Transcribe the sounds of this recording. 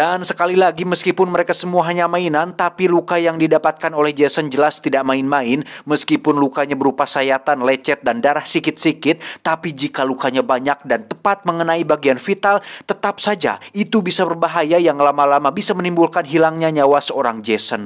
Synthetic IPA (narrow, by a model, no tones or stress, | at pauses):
d̥ansə̥kalilaɡiməskipʊnməɾekasəmuaɦaɲamainant̪apilukajaŋdidapat̪̚kanolɛhd͡ʒɛsənd͡ʒəlast̪idaʔmaɪnmaɪnməskipʊnlukaɲabəɾupasajat̪anlɛt͡ʃɛt̪̚dandaɾahsikɪt̪̚sikɪt̪̚ːapid͡ʒikalukaɲabaɲak̚dant̪əpat̪̚məŋənaibaɡianfit̪alt̪ət̪ap̚sad͡ʒa̰it̪ubisabərbaɦajajaŋlamalamabisamənimbulkanɦilaŋɲaɲawasəoɾaŋd͡ʒɛsən